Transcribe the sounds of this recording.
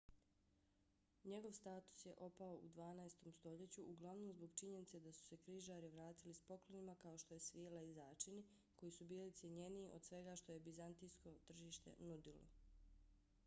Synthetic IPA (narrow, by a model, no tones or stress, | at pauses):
ɲe̞ɡo̞ʋst̪aːt̪u̥sje̞ʔo̞paoʔṵd̪ʋaːnaest̪o̞mst̪o̞ʎe̞t͡ɕuuɡlˠaʋno̞mzbo̞ɡt͡ʃiɲe̞nit̪se̞d̪asu̥se̞kɾiːʒaːɾiʋɾaːt̪ilispo̞klˠonimakao̞ʃt̪o̞jesʋielaizaːt͡ʃini | ko̞jisubiːlit̪sʲjeɲe̞niːʔo̞d̪sʋe̞ɡaːʃt̪o̞je̞bizant̪ijsko̞t̪r̩ʒiːʃt̪e̞̰nud̪ilo̰